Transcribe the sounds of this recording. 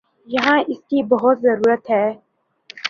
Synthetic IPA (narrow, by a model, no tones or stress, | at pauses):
jɐɦãːʔɪskibɐɦʊt̪zɐɾuːɾət̪ɦɛː